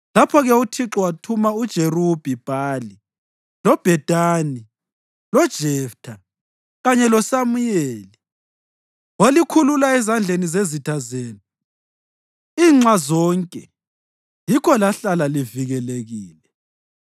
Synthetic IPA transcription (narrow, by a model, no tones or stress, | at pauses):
lapʰɔɣɛutʰiǁɔwatʰumaud̥ʒ̥ʱerub̥ʱib̥ʱaːli | lɔb̥ʱɛd̥ʱʼaːni | lɔd̥ʒ̥ʱɛftʰa | ɣaɲɛlɔsamujeːli | wolikʰululaɛzand͡ɮʱenizezitʰazeːni | iːŋ͡ǀazɔːŋkʼɛ | jikʰɔlaɬalaliviɣɛleɣiːlɛ